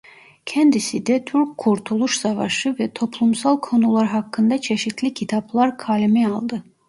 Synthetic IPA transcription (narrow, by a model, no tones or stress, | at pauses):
cʰænd̪isid̪æt̪ʰyɾkkʰːuɾt̪ʰulˠuʃsɑvɑ̰ʃɯvɛt̪ʰo̞pʰlˠumsɑlˠkʰo̞nulˠɑɾɦɑkːɯnd̪ɑt͡ʃʰeʃit̪ʰlicʰit̪ʰɑblˠɑɾkʰɑːlimɛɑlˠd̪ɯ